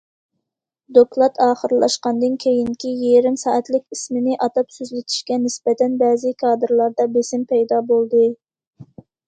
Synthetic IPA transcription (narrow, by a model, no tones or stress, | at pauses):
d̪oklˠɑt̪ʰɑːχəɾlˠɑ̰ʃqɑnd̪ɨnkʲʰejiŋkʲijeɾɪmsɑːʔɛt̪lɪkʲismɪnɪʔɑt̪ɑpsyzlɪt̪ʰi̥ʃkʲɛnɪsbɛt̪ʰɛnbɛːzɪkʰɑːd̪ɨɾlˠɑɾd̪ɑbesɪmpʰɛjd̪ɑbolˠd̪ɨ